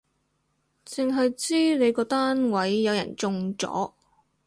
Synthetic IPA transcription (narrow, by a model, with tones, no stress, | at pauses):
t͡sɪ˨˧ŋɦɐ˨jt͡siː˥ne˨˧jkɔː˧t̪aː˥nwɐ˨˥jːɐ˨˧wjɐ̰˨˩nt͡sʊ˧ŋt͡sɔ̰ː˨˥